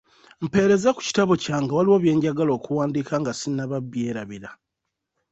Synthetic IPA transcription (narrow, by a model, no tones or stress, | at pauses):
m̩pe̞ːɾe̞zaku̥ci̥taβo̞caːŋɡawaliwo̞βje̞ːɲɟaɡalo̞ːkuwaːndikaŋɡasinaβabːje̞ːɾaβiɾa